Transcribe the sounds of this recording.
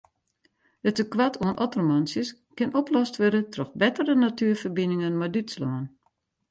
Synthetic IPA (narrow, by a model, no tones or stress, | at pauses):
dətəkʋatʰoənʔɔtormɔnsjəskɪnɔplɔstʋødətrɔxbɛtərənatyːfərbinɪŋənmadytslɔən